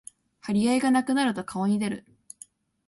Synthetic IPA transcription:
haɾʲiaiɡanakɯ̟naɾɯ̟t̪o̞kʰaoɲ̟id̪e̞ɾɯ̟

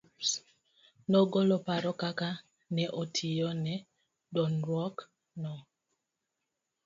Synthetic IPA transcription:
nɔɡɔlɔpaɾɔkaka | nɛʔotʰijɔnɛ | dɔnɾɔk | nɔ

